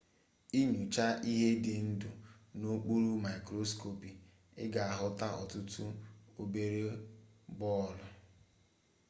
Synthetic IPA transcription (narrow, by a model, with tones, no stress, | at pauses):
i˦ɲu˨t͡ʃa˦ʔi˦ɦe˦dɪ˨n̩˦dʊ˨no˦k͡pu˦ɾu˦ma˨i˨kɾo˦sko˨pi˨ | ɪ̰˦ɡa˨a˨ɦʊ˦ta˦ɔ̰˨tʊ˦tʊ˦o˨be˦ɾe˦bɔ˦˨lʊ˨